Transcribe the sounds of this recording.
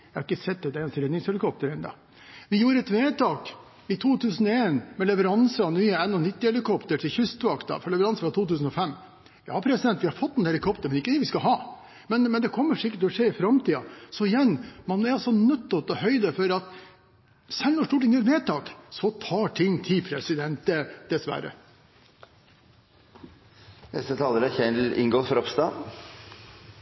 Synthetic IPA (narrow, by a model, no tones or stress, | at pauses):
jæhɑɾɪkːəsɛt̪̚d̪ɛd̪ɛnsɾɛːd̪nɪŋshɛlɪkʰɔp̚t̪əɾɛɪnd̪ɑ̰ː | ʋɪjuːɾəɛt̪ʋeːt̪ʰɑːk | ɪt̪ʰuːt̪ʰʉːsənɔeːnmɛlɛʋəɾɑnsənyːəɛnːɔnɪt̪ːɪhɛlɪkɔpt̪əʈʰɪlçʏst̪ʋɑkt̪ɑ̰fɔɾɭɛʋəɾɑnsəfɾɑt̪ʰuːt̪ʉːsən̩ɔfɛmː | jɑ̰ːpʰɾɛsɪd̪ɛnt̪ʋɪhɑɾfɔt̪ːɛnhɛlɪkʰɔpt̪əɾmɛnɪkːəd̪ɛːʋɪskɑɦɑː | mɛnmɛnd̪ɛkʰɔmːəʂɪkːəʈ̪ʰɪlɔʂeːɪfɾɑmt̪iːɑsɔɪjɛnːmɑnɛɾɑlsɔnœt̪ːɔt̪ɔhœʏd̪əfɔɾɑt̪ | sɛlnɔʂʈ̪uːʈɪŋjɛːɾmeːt̪ʰɑːksɔt̪ʰɑːʈʰɪŋːt̪ʰɪlpʰɾɛsɪd̪ɛnt̪̚d̪əd̪̥ɛsʋæ̰ɾə̰ | nɛ̰st̪ət̪ʰɑːləɾæçɛnlɪ̰ŋɡɔlfɔɾɔpst̪ɑ